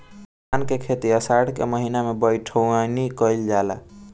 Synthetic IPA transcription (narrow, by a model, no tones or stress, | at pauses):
ankekʰet̪iəsaɽkḛməɦinamebəjʈʰənikəjld͡ʒala̰